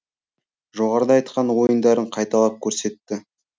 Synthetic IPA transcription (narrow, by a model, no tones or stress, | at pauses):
ʒo̞ʁɑɾəd̪ɑjt̪qɑnwo̞jənd̪ɑɾəɴqʰɑjt̪ɑlˠɑp̚kʲʰɵɾse̞t̪ːɪ